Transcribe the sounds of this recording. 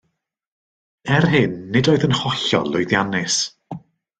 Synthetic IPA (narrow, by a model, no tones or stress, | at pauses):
ɛrɦɨnːɪdoːɨðənhɔɬɔ̰lˠʊjðjanɪs